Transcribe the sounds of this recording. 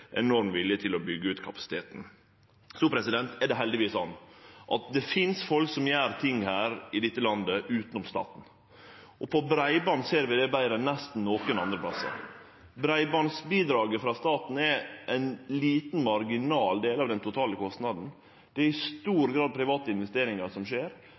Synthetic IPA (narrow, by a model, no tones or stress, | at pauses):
ʔɛ̰nɔɾmʋɪljət̪ʰɪlɔbʏɡːəʉːt̪kʰɑpɑ̥sɪ̥t̪ʰeːt̪n̩ | sɔːpʰɾɛsɪd̪ɛnt̪ɛɖ̪ɛɦɛld̪ɪʋiːsːɔnːʔɑt̪̚d̪ɛfɪnsfɔlksɔmjæːɾt̪ʰɪŋːhæːɾɪd̪ɪt̪ːəlɑnd̪əʔʉːt̪ənʊmst̪ɑ̰ːt̪n̩ | ɔpʰɔbɾæɪbɑːnseːɾʋɪd̪ɛbæɪɾənɛst̪n̩noːkənɑ̰nd̪ɾəpʰlɑsːɑ̰ | bɾæɪbɑːnsbiːd̪ɾɑːɡəfɾɑst̪ɑːt̪n̩ɛʔæɪnliːt̪n̩mɑɾɡɪnɑːld̪eːlɑʋd̪ɛnt̪ʰʊt̪ʰɑːləkʰɔst̪nɑd̪n̩ | d̪̥ɛɛɾɪst̪uːɾɡɾɑːd̪̚pʰɾɪʋɑːt̪əɪnʋɛst̪eːɾɪŋɑɾsɔmʂeːɾ